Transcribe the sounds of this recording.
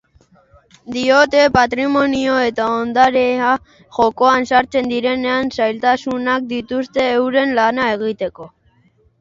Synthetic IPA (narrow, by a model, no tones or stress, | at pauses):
d̪io̞t̪e̞pat̪ɾimo̞nio̞e̞t̪aond̪aɾea | ʝo̞ko̞ansaɾt͡se̞nd̪iɾe̞ne̞ansajlt̪asunak̚d̪it̪ust̪e̞ːwɾe̞nlanae̞ɣit̪e̞ko̞